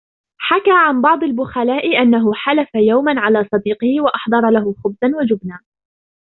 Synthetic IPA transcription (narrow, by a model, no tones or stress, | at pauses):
ħakaːʕanbɑʕd̪ˤalbʊxalaːʔɪʔanːaɦʊħalafajawmanʕalaːsˤɑd̪iːqɪhɪwaʔɑħd̪ˤɑɾˤɑlaɦʊxʊbzanwad͡ʒʊbnaː